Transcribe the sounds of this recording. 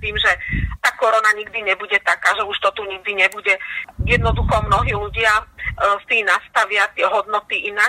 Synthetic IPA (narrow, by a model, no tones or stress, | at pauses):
t̪iːmʒɛt̪aːkɔɾɔnaɲiɡ̚d̪iɲɛbuɟɛt̪akaːʒɛuʃt̪ɔt̪uɲiɡ̚d̪iɲɛbuɟɛjɛd̪nɔd̪uxɔmnɔɦiːluɟɪast̪iːnast̪aʋɪat̪ɪɛɦɔd̪nɔt̪iinaː